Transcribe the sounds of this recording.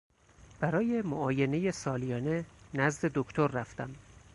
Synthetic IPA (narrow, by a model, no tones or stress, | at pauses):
b̥æɾɒːje̞mo̰ɒːje̞ne̞jesɒːlijɒːne̞næzd̪e̞d̪okʰt̪ʰoɾːæft̪æm